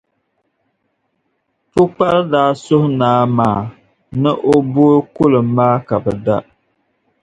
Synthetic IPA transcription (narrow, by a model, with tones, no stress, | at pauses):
tʊ˦k͡pa˦ldaː˦sʊ˦hʊ˦naː˨˦maː˨˦ | nɨ˦ʔo˦bo˦ɾkʊ˦lɨ˨mːaː˦ka˨bɨ˨da˦